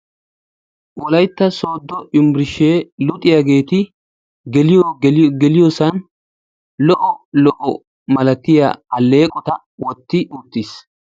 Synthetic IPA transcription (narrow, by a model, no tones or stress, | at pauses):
wɔlɐjt̪ːɐso̞ːd̪ːɔʔʊmbɾɪʃeːlʊt̪ʼːɪjaɡe̞ːt̪ɪ | ɡɛlɪjɔɡɛlɪjɔsɐn | lɔʔɔlɔʔɔ | mɐlɐt̪ːɪja̰ɐlːe̞ːkʼɔt̪ɐ | wɔt̪ːɪʔut̪ːis